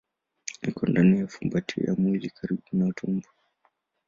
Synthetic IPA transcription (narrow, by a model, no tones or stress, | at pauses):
ikɔndanijafumbatʰḭja̰mwilikʰaɾiɓunautʰumbu